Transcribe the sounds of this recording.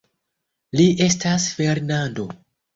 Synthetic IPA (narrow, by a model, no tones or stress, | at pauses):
liʔe̞stasfe̞ɾnando̞